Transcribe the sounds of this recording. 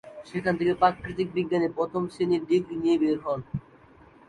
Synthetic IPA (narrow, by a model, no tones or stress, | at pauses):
ʃekʰant̪ʰekepɾakːɾit̪̬ik̚biɡːanepɾɔt̪ʰomseniɾd̪iɡɾinijebeɾɦɔn